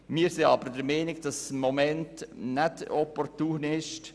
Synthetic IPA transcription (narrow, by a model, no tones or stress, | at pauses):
miːəɾsiɑbəɾdəɾmɛnɪɡ̚d̥ɑsmɔmɛntnɛtɔpɔɾtuːnɪʃt